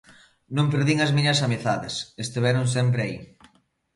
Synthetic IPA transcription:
nõmpeɾðiŋɐzmĩɲɐsameθaðɪsest̪iβɛɾons̬ɛmp̬ɾeaḭ

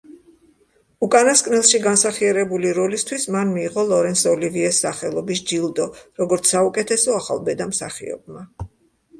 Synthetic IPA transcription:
ukʼanaskʼnɛlˠʃiɡansaχiaɾɛbuliɾɔlist̪ʰwismanmiːʁɔlˠɔɾɛnsɔliviɛsːaχɛlˠɔbisd͡ʒilˠd̪ɔɾɔɡɔɾt̪sʰsːaukʼɛt̪ʰɛsɔaχa̰lˠbɛd̪amsa̰χḭɔ̰b̚ma

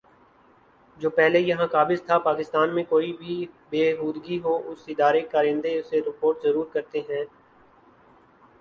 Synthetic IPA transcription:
d͡ʒoːpɛɦlejɐɦãkaːbɪzt̪ʰapaːkɪst̪aːnmẽkoːibʱibeːɦuːd̪ɡiɦoːʔʊsɪd̪aːɾekaːɾɪ̃nd̪eʊseɾɪpoːɾʈzəɾuːɾkɐɾt̪eɦɛ̃ː

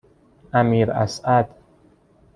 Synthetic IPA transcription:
ʔæmiːɾæ̰sæd̪

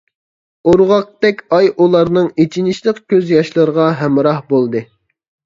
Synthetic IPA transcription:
oɾʁɑq̚t̪ɛkʲɑjulˠɑɾnɨŋet͡ʃʰinɪʃlˠəqkʲʰøzjɑʃlˠɨɾəʁɑɦɛmɾɑhbolˠd̪ɨ

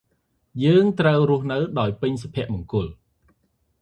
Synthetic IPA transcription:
jəːŋt̪rəwrʊ̆əhnɨwɗaɔjpɨɲsapʰĭəʔmʊ̆əŋkʊəl

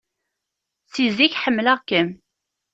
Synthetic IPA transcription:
siziçħəmːlæʁkːəm

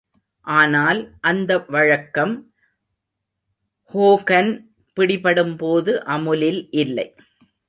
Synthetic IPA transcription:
ʔaːnaːlʔɐnd̪ɐʋɐɻɐkːɐm | hoːkɐn | pɪɽɪpɐɽɯmpoːðɯʔɐmɯlɪlʔɪlːɐɪ

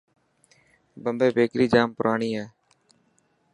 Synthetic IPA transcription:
bəmbeːbeːkɾiːd͡ʒaːmpʊɾʔaːɳiːɛː

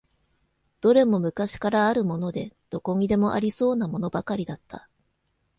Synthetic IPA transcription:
d̪̥o̞ɾe̞mo̞mɯ̟kaɕi̥kaɾaːɾɯ̟mo̞no̞d̪e̞d̪̥o̞ko̞ŋ̟ʲid̪e̞mo̞ʔa̰ɾʲiso̞ːnamo̞no̞bakaɾʲid̪at̪ːa

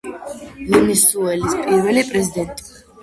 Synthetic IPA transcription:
vunisuɛlispʼiɾvɛlipʼɾɛzid̪ɛnt̪ʼi̥

